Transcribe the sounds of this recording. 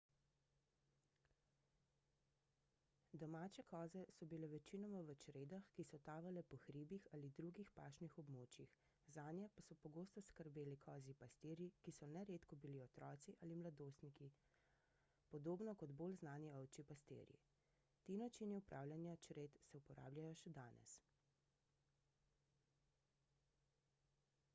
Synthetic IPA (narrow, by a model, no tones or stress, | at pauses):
d̪ɔmaːt͡ʃɛkɔːzɛsɔbilɛʋɛt͡ʃinɔmaʋət͡ʃɾeːd̪axkisɔt̪aːʋalɛpɔxɾiːbixalid̪ɾuɡixpaːʃnixɔbmoːt͡ʃjix | zaːnjɛpasɔpɔɡoːst̪ɔskəɾbeːlikʰɔːzipast̪eːɾjikisɔnɛɾeːt̪kɔbiliɔt̪ɾɔːt̪siʔaːlimlad̪oːst̪niki | pɔd̪oːbnɔkɔd̪bolznaːniɔwt͡ʃipast̪ḛːɾjḭ | t̪iːnat͡ʃiːniupɾʔaːwlʲjanjat͡ʃɾeːt̪sɛupɔɾa̰ːbljajɔʃɛd̪aːnɛ̰s